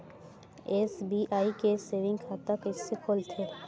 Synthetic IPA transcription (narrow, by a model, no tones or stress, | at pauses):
eːsbiːʔaːikeseːʋɪ̃ŋɡkʰaːt̪akɪsːekʰoːlt̪ʰeː